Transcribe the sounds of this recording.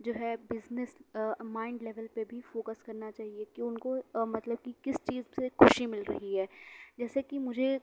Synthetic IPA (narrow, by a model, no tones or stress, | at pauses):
d͡ʒoːɦɛbɪznɪsmãːɪ̃ɳɖlɛʋəlpebʱifoːkəskɐɾnat͡ʃaːɦiekiʊnkomɐt̪ləb̚kikɪst͡ʃiːzsexʊʃimɪlɾɐɦiɦɛːd͡ʒɛːsekimʊd͡ʒʱe